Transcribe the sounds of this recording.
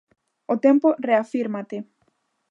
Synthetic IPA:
ot̪emporeafiɾmat̪e

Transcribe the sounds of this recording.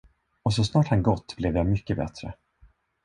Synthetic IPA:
ɔs̬ɔsnɑːʈhanɡɔt̪ːblɛvjamʏkːəbɛ̰t̪ɾə

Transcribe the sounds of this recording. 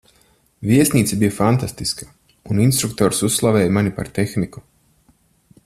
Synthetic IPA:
vʲiɛsʲnʲiːt̪sibijafant̪ast̪iskḁ | uninst̪ɾuk̚t̪ɔːɾsusːlˠavɛːjmanipa̰ɾt̪exniku̥

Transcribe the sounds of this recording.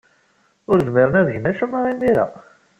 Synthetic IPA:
ʊɾðmɪɾˤənæðəʝənæʃəmːɑɾinːiɾæ̰

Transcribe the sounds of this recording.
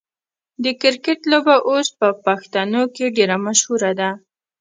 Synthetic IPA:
d̪əkɪɾkɪʈlobaʔospəpaxt̪anokeɖeɾamaʃhuɾad̪a

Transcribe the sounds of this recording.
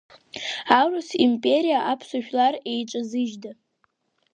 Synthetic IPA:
arasimpʼe̞ɾijaʔapʰsaʒᶣlare̞jʈ͡ʂʼazɨʒda

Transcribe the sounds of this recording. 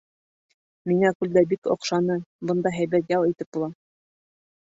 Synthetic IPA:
miŋækʉld̪æbiko̰qʃɑnɤbɤ̆nd̪ɑɦæjbæt̪jɑlˠit̪ɘp̚bulˠɑ

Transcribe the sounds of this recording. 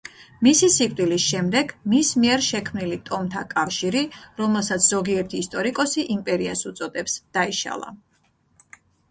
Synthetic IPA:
misisikʼd̪ʼilisʃɛmd̪ɛɡmismiɛɾʃɛkʰmnilit̪ʼɔmt̪ʰakʼafʃiɾiɾɔmɛlˠsat̪sʰz̥ɔɡiɛɾt̪ʰiːst̪ʼɔɾikʼɔsiʔimpʼɛɾiasut̪sʼɔd̪ɛpsd̪̥aiʃa̰lˠa̰

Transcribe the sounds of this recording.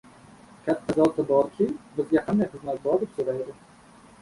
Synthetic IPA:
kʲʰat̪ʰːazɒt̪ʰɪbɒɾkʲʰɪbɪzɡʲahand̪ajχɨzmat̪̚bɒɾd̪ɪpsoɾajd̪ɪ

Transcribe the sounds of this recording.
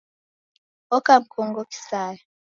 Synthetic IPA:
ɔkam̩kʰɔŋɡoki̥saːjɔ

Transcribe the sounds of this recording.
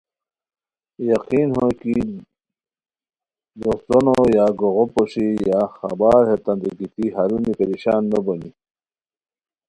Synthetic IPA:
jaqinhoki | d̪ost̪onojaɡoɣopoʂijaxa̰baːɾhet̪and̪iɡit̪iɦaɾunipeɾiɕaːnːoboni

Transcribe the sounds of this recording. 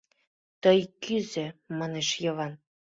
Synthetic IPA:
t̪ɤjkyzɘ̆mɑneʃjɤ̆βɑn

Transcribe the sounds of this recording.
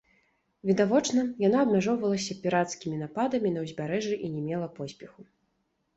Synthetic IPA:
vʲid̪avɔt͡ʂnɐjanaɐbmʲaʐɔwvɐlˠɐs̬ʲɐpʲiɾat̪skʲimʲin̪apad̪ɐmʲinɐwzʲbʲaɾɛʐɨʔinʲɛmʲɛlˠɐpɔsʲpʲɛxu

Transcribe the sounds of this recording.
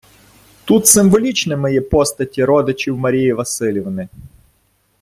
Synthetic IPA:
t̪ut̪sɪmʋɔlʲit͡ʃnɪmɔjɛpɔst̪ɐtʲiɾɔd̪ɪt͡ʃɪwmɐɾʲijiʋɐsɪlʲɪʋnɪ

